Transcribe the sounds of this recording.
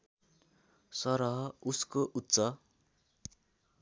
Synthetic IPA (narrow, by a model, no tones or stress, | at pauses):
sʌɾʌɦʌuskoʔut̪ːsʌ